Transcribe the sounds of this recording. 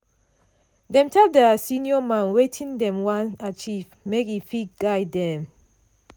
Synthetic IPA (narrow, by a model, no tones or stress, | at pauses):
dɛ̃mtʰɛldəsĩniɔmãnwetʰĩndɛ̃mwãnat͡ʃiv | mekhifit̚ɡ̥aɪdɛ̃m